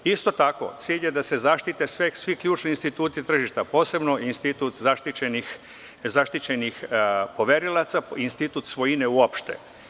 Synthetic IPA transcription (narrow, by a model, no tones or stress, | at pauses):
ist̪o̞t̪ako̞̰t̪siːʎje̞d̪ase̞zaʃt̪it̪e̞sʋesʋikʎʲuːt͡ʃniinst̪it̪uːt̪it̪r̩ʒiʃt̪apo̞ːse̞bno̞inst̪it̪ut̪zaʃt̪ienix | zaʃt̪it͡ɕe̞nixpo̞ʋeɾilat̪sainst̪it̪ut̪sʋojineuopʃt̪ḛ